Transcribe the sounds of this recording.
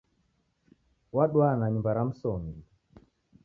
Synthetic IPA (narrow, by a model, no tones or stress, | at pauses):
waɗwanaɲumbaɾam̩sɔŋɡi